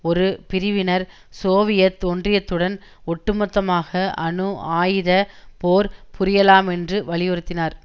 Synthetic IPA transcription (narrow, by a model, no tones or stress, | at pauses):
ɔɾɯpɪɾɪʋɪnɐɾ | soːʋɪjɐt̪ondrɪjɐt̪ːɯɽɐn | ɔʈːɯmɔt̪ːɐmaːɣɐʔɐɳɯaːjðɐpoːɾpʊɾɪjɐlaːmɛndrɯʋɐɭɪjɔɾɯt̪ːɪnaːɾ